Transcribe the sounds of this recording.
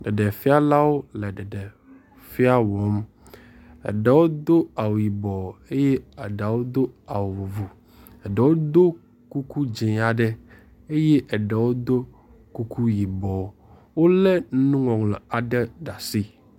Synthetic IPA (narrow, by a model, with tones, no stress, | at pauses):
ɖɛ˨ɖe˨fi˦a˦la˦wo˦lɛ˨ɖɛ˨ɖe˨ | fi˦a˦wɔ˨˦m | ɛ̰˨ɖe˨wo˦d̪o˦a˨wo˨ji˨bɔ˨e˦je˦a˨ɖe˨wo˦d̪o˦a˨wo˨vu˨vu˨ | ɛ˨ɖe˨wo˦d̪o˦ | ku˦ku˦d͡ʒe˨a˨ɖɛ˦ | e˦je˦ʔɛ˨ɖe˨wo˦d̪o˦ | ku˦ku˦ji˨bɔ˨ | wo˦lɛ˦n˦nũ˦ŋɔ̃˨ŋlɛ˨a˨ɖe˦ɖa˨si˦